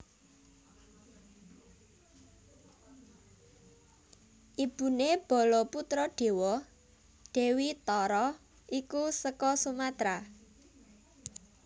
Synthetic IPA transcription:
ʔib̥ṳneb̥ɔ̤lɔput̪ɾɔɖ̥e̤wɔ | ɖ̥e̤wit̪ɔɾɔ | ʔikusəkɔsumat̪ɾa

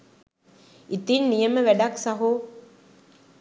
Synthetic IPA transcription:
it̪inːijəməʋæɖaksaɦu

